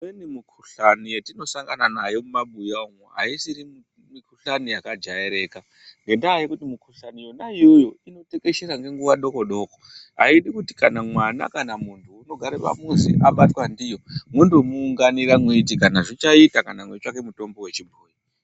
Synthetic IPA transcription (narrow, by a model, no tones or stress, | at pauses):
enimukʰuɬanijetino̞saŋɡananajo̞mumaɓujaoŋuɦa̰isiɾi | mikʰuɬanijakad͡ʒaeɾe̞ka | ŋɡe̞ndaːjekutimukʰuɬanijo̞naijo̞jo̞ino̞teke̞ʃeɾaŋɡe̞ŋɡuʋaɗoko̞ɗo̞ko̥ɦa̰iɗikutikanamwana̰kanamuntʰuːno̞ɡʱaɾepa̰muzḭʔaɓatwandijo̞mwendumuːŋɡaniɾamweitikanaʐit͡ʃaitakanamwet͡ʃake̞muto̞mbo̞we̞t͡ʃibʱuːji